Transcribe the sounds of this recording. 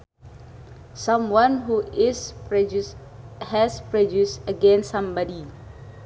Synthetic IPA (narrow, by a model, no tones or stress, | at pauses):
sãmwãnɦuɪs | hɛspɹɔd͡ʒjusəɡɛ̃nsːãmbɔdi